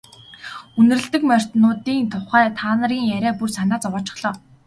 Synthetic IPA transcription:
ɵnɘ̆rɘ̆ɬt̪ɘ̆kmœr̥ʲt̪nʊːt̪iːnt̪ʰʊχæːt̪ʰaːnə̆ɾiːŋjæɾʲæːpursanaːt͡sɔwɔːt͡ɕɪ̥̆χɮ̥ɔː

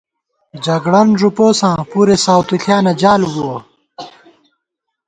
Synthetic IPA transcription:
d͡ʑɐɡɽɐnʐupoːsãːpuːɾesaːwt̪uɬʰjaːnɐd͡ʑaːluɡuo

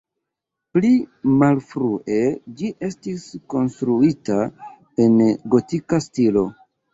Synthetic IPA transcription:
plimalfɾuʔe̞d͡ʒiʔe̞stisko̞nstɾuita | e̞nɡo̞tikastilo̞

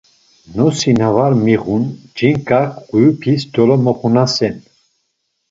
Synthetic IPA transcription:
nɔsinavaɾmiʁund͡ʒiŋkʼakʰɡujupʰisd̪ɔlɔmɔχunasɛn

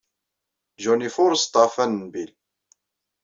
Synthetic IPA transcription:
d͡ʒɔnifʊɾst̪ˤɑfænnbil

